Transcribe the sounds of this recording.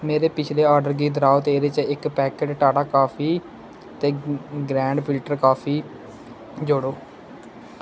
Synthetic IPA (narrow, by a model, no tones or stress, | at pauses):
meːɾeːpɪt͡ʃʰleːaːɾɖəɾɡiːd̪əɾaːʊt̪eːɾeːt͡ʃəɪkpɛːkeːʈʈaːɽaːkaːpʰiː | t̪eːɡɾɛ̃ːɳɖpʰɪlʈəɾkaːpʰiː | d͡ʒoɽoː